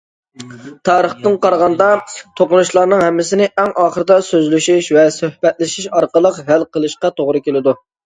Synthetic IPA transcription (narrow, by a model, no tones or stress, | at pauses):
t̪ʰɑːɾəχt̪ɨŋqɑɾʁɑnd̪ɑt̪ʰoqʊnuʃlˠɑɾnɨŋɦɛmːɪsɪnɪʔɛŋʔɑːχəɾɨd̪ɑsøzlyʃiʃvɛsøhbɛt̪̚lɪʃiʃɑɾqəlˠəqɦælqʰəlˠɨʃqɑt̪ʰoʁɾɨkʲelɪd̪u